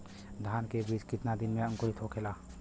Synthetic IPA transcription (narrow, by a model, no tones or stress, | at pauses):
d̪ʱaːnkebiːt͡ʃkɪt̪nad̪ɪnmẽə̃ŋkʊɾɪt̪ʰɦokʰelaː